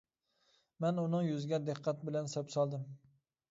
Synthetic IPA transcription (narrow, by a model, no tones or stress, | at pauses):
manʊnɪŋjʊzɡʲad̪ɪqʰːɑt̪̚bɪlansapsɒlˠd̪ɪm